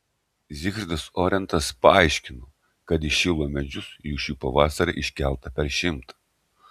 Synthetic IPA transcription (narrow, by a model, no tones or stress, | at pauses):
zʲɪxɾʲd̪ɐsɔːɾʲɛnt̪ɐspɐɐɪʃʲkʲɪnoː | kɐt̪ɪʃʲɪlˠoːmʲɛd͡ʒʲʊsjuːʃʲuːpɐʋɑːsɐɾʲɐ̰ʔɪʃʲkʲɛlˠt̪ɐpʲɛɾʃʲɪmt̪ɐ̥